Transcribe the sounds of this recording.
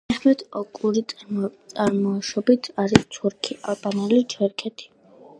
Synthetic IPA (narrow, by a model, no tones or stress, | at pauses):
ɛχmɛt̪ʰɔkʼuɾitt̪sʼaɾmɔaʃɔbit̪ʰaɾist̪ʰuɾkʰiʔalˠbʼanɛlit͡ʃʰɛɾkʰɛt̪ʰi̥